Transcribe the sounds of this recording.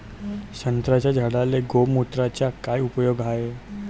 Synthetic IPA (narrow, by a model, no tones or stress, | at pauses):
sənt̪ɾat͡ʃad͡ʒʱəɽaleɡomut̪ɾat͡ʃakaːiʊpəjoːɡaːje